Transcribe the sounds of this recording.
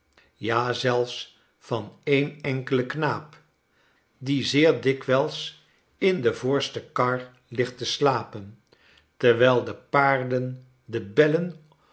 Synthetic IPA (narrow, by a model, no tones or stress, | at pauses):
jaːzɛlˠfs | fɑnejnɛŋkələknaːp | dizɪːɹdɪkʋɛlˠs | ɪndəvʊːɹstəkɑɹ | lɪχtəslaːpən | təɹʋɛlˠdəpaːɹdən | dəbɛlən